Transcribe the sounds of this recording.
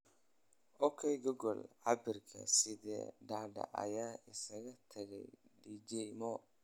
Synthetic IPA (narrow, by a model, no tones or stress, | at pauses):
ʔɔkʰɛjɡɔɡɔlʕɑbɪrkʰɐ̰sɪðɛ̰ːɖaʕɖɐ̰ʔɐ̰jaːɪsɐɣɐt̪ʰɐɣɛjɖiːd͡ʒɛmɔ